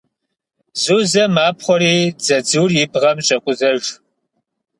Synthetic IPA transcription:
zuːzɐmaːpχʷɔɾiːd͡zɐd͡zɨːrjibʁɐmɕʼɐkʷʼʊzɐʒ

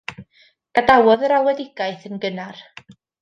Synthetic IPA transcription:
ɡ̥adawɔðəɾawɛdɪɡ̥ajθənɡənar

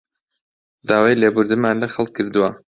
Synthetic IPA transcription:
d̪aːwaːjleːbʊɾd̪ɨmaːnlɐxɐlˠkʰːɨɾd̪ɨwɐ

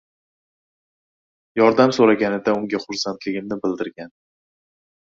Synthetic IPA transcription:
jɒɾd̪amsoɾaɡʲanɪd̪aʊŋɡʲaχʊɾsant̪ʰlɪɡʲɪmnɪbɪld̪ɪɾɡʲan

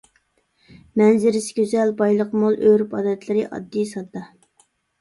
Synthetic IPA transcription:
mɛnzɪɾɪsɪ̥ɡʲøzɛlbɑjlˠəqmolˠʔøɾpɑ̰ːd̪ɛt̪lɪɾɪʔɑ̰d̪ːisɑd̪ːɑ

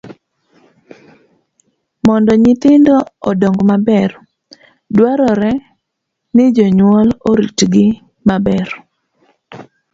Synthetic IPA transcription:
mɔndɔɲɪt̪ɪndɔːdɔŋɡmabɛr | dwaɾɔɾɛ | nɪd͡ʒɔɲwɔloɾitɡɪ | mabɛr

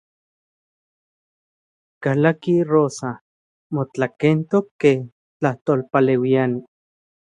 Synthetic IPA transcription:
kalakiroːsa | mot͡ɬakent̪okːe | t͡ɬaht̪oːlpalewiani

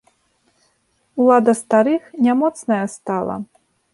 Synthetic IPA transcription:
ulˠad̪ɐst̪aɾɨxnʲamɔt̪snɐjɐst̪alˠɐ̰

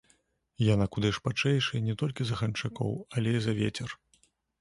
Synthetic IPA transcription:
janakud̪ɨʂpat͡ʂɛjʂɨjnʲɛt̪ɔlʲkʲizɐɣɐnt͡ʂakɔ̰wɐlʲɛizɐvʲet͡sʲɛr

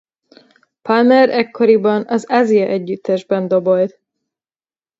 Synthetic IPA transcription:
palmɛɾɛkːoɾibɒnɒzazijɒʔɛɟːyt̪ːɛʒbɛnd̪o̞bolt̪

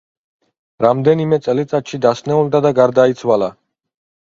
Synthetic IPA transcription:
ɾamd̪ɛnimɛt̪sʼɛlit̪sʼat̪ʃid̪asnɛuld̪ad̪aɡaɾd̪ait̪sʰwala

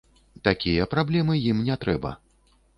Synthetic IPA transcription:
t̪akʲijɐpɾablʲɛmɨjimnʲɛt̪ɾɛbɐ̰

